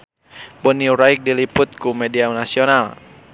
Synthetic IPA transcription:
bɔniuɾaik̚dilipʊt̪̚kumɛdiaunasional

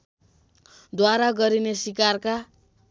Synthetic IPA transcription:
d̪waɾaɡʌɾinesikarka

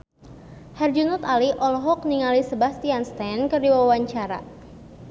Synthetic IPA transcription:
hɛrd͡ʒunut̪aliʔɔlɔɦɔk̚niŋalisəbahst̪ianst̪ankərdiwawaɲt͡ʃaɾa̰

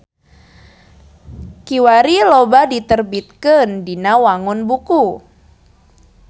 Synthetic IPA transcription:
kiwaɾilobadit̪ərbit̪̚kəndinawaŋʊnbuku

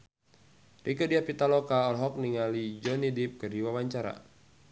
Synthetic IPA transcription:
rʔikədiapit̪alɔkaɔlɦɔk̚niŋalid͡ʒɔnidip̚kɨrdiwawaɲt͡ʃaɾa̰

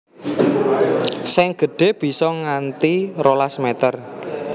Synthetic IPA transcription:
sɛŋɡ̥ə̤ɖ̥e̤b̥i̤sɔŋant̪irolasmet̪ər

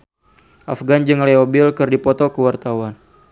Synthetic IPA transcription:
ʔafɡand͡ʒɨŋleobɪlkɨrdipɔt̪ɔkəwart̪awan

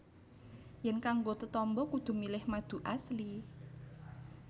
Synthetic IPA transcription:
jɛnkaŋɡot̪ət̪ɔmbɔkud̪̥ṳmilɪhmad̪̥ṳʔasli

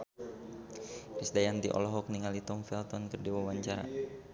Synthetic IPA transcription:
kɾisdajant̪iʔɔ̰lɔɦɔk̚niŋalit̪ɔmfɛlt̪ɔnkərdiwawaɲt͡ʃaɾa̰

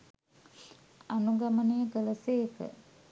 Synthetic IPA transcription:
anuɡamənijəkələseːkə̰

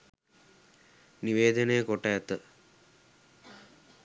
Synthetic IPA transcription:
niʋeːd̪ənəjəkoʈəːt̪ə

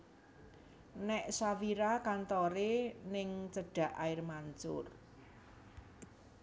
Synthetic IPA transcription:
nɛʔsawiɾakant̪ɔɾenɪŋt͡ʃəɖ̥ä̤ʔaɪrmant͡ʃʊ̰r

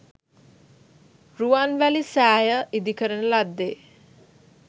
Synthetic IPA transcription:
ruanʋælisæːjəʔid̪ikəɾənəlad̪ːeː

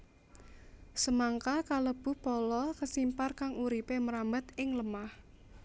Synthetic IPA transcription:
səmaŋkakaləb̥ṳhpɔlɔkəsimparkaŋuɾipeməɾambət̪ɪŋləmah

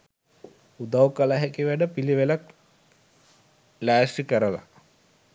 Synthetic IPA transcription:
ud̪awkalaɦekiʋæɖəpiliʋelak | læːsrikəɾəla̰

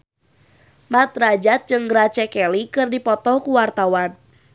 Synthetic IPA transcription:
mat̪rad͡ʒat̪̚t͡ʃɨŋɡɾat͡ʃɛkɛlikɨrdipɔt̪ɔhkuwart̪awan

